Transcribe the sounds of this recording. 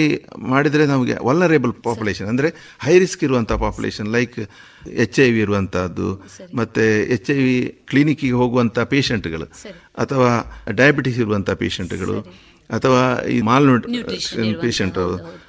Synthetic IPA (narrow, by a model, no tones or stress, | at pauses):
imaːɽid̪ɐɾenaːmuɡḛʋɐlnɐɾeːbɐlpaːpuleːʃɐnɐnd̪ɐɾe̞ | hɐjɾiskiɾuʋɐnt̪ʰaːpaːpjulḛːʃɐnlɐjk | et͡ʃːɐjʋiːɾuʋɐnt̪ʰad̪ːṵmɐt̪ːeet͡ʃːɐjʋiklinikːiɡeɦo̞ːɡuʋɐnt̪ʰapeːʃeɳʈɡɐɭṵ | ɐt̪ʰɐʋaːɖɐjɐbiʈisiɾuʋɐnt̪ʰaːpeːʃeɳʈɡɐ̰ɭṵ | ɐt̪ʰɐʋaːḭmaːlnuɖ | peːʃɐɳʈ